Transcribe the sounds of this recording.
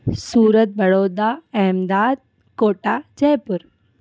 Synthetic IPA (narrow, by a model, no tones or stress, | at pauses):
suːɾət̪̚bɐɽoːd̪aɛːmd̪aːd̪̚ | koːʈad͡ʒɐjpʊɾ